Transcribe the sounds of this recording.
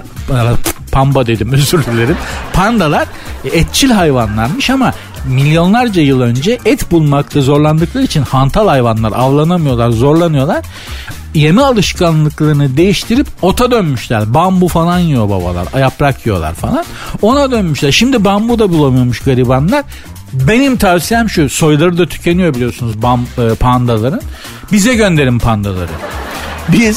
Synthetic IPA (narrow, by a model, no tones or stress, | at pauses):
apʰambad̪e̞d̪imøzyɾlʲylʲe̞ɾinpʰand̪alˠaɾ | ɛt̪̚t͡ʃʰilʲɦajvanlˠaɾmɯʃama | milʲːjo̞nlˠaɾd͡ʒajɯlˠø̞nd͡ʒɛʔɛt̪bulˠmakt̪azo̞ɾlˠand̪ɯklˠaɾit͡ʃʰinhant̪ʰalˠhajvanlˠaɾavlˠanamɯjo̞lˠaɾzo̞ɾlˠanɯjo̞lˠaɾ̥ | je̞mialˠɯʃkanlˠɯklˠaɾɯnɯd̪e̞jiʃt̪ʰiɾipo̞t̪ʰad̪ønmyʃlʲæɾbambufalˠanjijo̞ba̰ba̰lˠa̰ɾajapɾakʰjijo̞̰lˠa̰ɾfalˠan | o̞nad̪ønmyʃlʲæɾʃimd̪ibambud̪abulˠamujomuʃɡaɾibanlˠaɾ̥ | be̞nimt̪ʰavsijɛmʃuso̞jlˠaɾɯd̪at̪ʰy̥cʰe̞nijo̞bilʲijo̞sunuzbampʰand̪alˠaɾɯn | bizɛɟønd̪e̞ɾimpʰand̪alˠa̰ɾɯ̰ | biz